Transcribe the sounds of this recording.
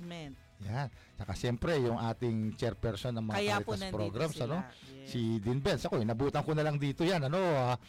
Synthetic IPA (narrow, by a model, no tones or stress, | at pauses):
jan | t͡ʃakasjɛmpɾɛjʊŋʔaːt̪ɪŋt͡ʃɛɾpɛɾsonːɐŋmɐŋalit̪aspɾoɡɾamsanosid̪inbɛnsakoɛnɐbut̪aŋkonalaŋd̪iːt̪ojananoa